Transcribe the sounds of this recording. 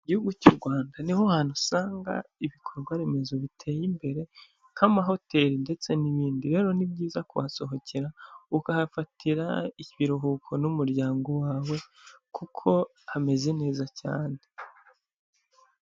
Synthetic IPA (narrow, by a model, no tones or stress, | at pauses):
iɟihuɡucuɾɡwaːndanihohaːn̥usaːŋɡa̰iβikʰo̞ɾɡwaɾe̞me̞zo̞βitʰe̞ːjimbe̞ɾe̞ | kʰamaɦo̞te̞ɾinde̞t͡se̞niβiːndiɾe̞ːɾo̞nib̚ɟiːzakuβaso̞ɦo̞ciɾaukahafatʰiɾa̰icβiɾoɦukʰo̞numuɾɟaːŋɡo̞waːwe̞kʰukʰo̞ | hame̞ze̞ne̞ːzaca̰ːne